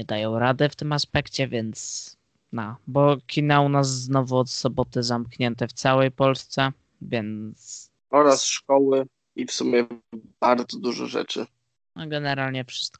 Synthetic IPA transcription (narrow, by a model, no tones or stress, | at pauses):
ɲɛd̪ajɔ̃w̃ɾad̪ɘft̪ɘmaspɛkt͡ɕɛvʲjɛnt̪s | nabɔkʲʰinaunas̬ːnɔvuɔt̪sɔbɔt̪ɘzamkɲɛnt̪ɛft̪sawɛjpɔlst̪sɛ | vʲjɛnttt̪s | ɔɾasʂkɔwɘ | ifsumʲjɛb̥aɾd̪zɔd̪uʐɛ̰ʐɛ̰t͡ʂɘ̰ | nɔɡɛnɛɾalɲɛfʂɘ̥st̪̚k